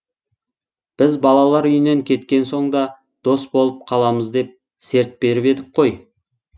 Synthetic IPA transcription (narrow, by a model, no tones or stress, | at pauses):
b̥ɪzbɑlˠɑlˠɑɾʏjɪneŋkʲʰe̞t̪kʲe̞nso̞ɴd̪ɑ | d̪̥o̞sbolˠəp̚qʰɑlˠɑməzd̪e̞p̚ | se̞ɾt̪̚pe̞ɾɪpe̞d̪ɪk̚qʰo̞j